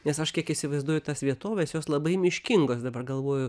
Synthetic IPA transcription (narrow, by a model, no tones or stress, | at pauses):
nʲɛsɐʃkʲiɛkɪsʲɪʋɐɪzd̪uɔjʊt̪ɐsʋʲiɛt̪oːʋʲeːsjoːslˠɐbɐɪmʲɪʃʲkʲɪŋɡoːsd̪ɐbɐrɡɐlˠʋoːjʊ